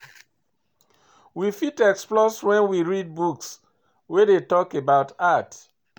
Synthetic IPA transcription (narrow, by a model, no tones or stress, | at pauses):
wifitɛksplɔswɛ̃nwiɹid̚buks | wedetɔkebaʊtat